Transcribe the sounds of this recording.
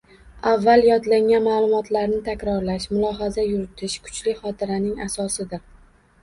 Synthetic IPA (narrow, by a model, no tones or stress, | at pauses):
avːaljɒd̪laŋanmaːlˠʊmɒt̪ʰlaɾnɪt̪ʰakʲɾɒɾlaʃmʊlˠɒɦazajʊɾɪt̪ʰɪʃkʰʊ̥t͡ʃlɪχɒt̪ʰɪɾanɪŋasɒsɪd̪ɪɾ